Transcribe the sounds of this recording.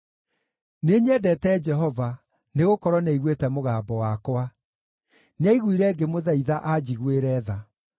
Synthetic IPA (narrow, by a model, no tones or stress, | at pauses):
neɲɛdɛtɛːd͡ʒɛɦɔva | neɣokɔɾwɔnɛiɣwetɛmoɣaːbɔwakwa | naiɣwiɾɛɡemoðaiðaʔad͡ʑiɣweɾɛːða